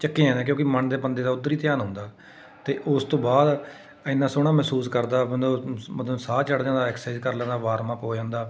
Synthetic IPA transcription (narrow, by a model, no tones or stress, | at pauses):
t͡ʃəkːẽːɛ̃ːnẽːk̬jõːkiməɳd̪eːpənd̪eːd̪aːʊd̪ːəɾiːt̪jaːnɦʊ̃ːnd̪aː | t̪eːʔʊst̪õːbaːd̪ | ɪnːaːsʊɽ̃aːmɛɦsuːskəɾd̪aːbənəmət̪ləbsaːt͡ʃəɽd͡ʒãːnd̪aːɛksaːzkəɾlɛ̃ːnd̪aːʋaːɾmãːkoːd͡ʒãːnd̪aː